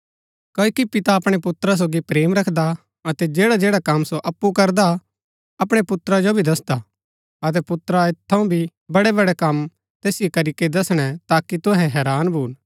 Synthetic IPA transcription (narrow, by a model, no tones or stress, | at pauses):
koːikipɪt̪aɐpɽ̃epʊt̪ɾas̬oːɡipɾeːmɾɐkʰd̪a | ɐt̪ɛd͡ʒeːɽad͡ʒeːɽakɐmːsoʔɐpːukɐɾd̪a | ɐpɽ̃epʊt̪ɾad͡ʒobʱid̪ɐsd̪a | ɐt̪̬ɛpʊt̪ɾaet̪ʰːɐũbʱi | bɐɽɛbɐɽɛkɐm | t̪eːsɪjekɐɾiked̪ɐsɽ̃ɛt̪aːkit̪ʊɦɛɦɛːɾaːnbʱuːn